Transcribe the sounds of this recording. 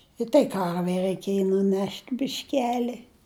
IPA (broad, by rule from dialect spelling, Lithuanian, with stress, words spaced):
ɪ tɐɪ ˈkɐrʲʋʲɛɪ rɐɪˈkʲeːjɪ nʊˈnʲɛʃʲtʲ bʲɪʃʲˈkʲæːlʲɪ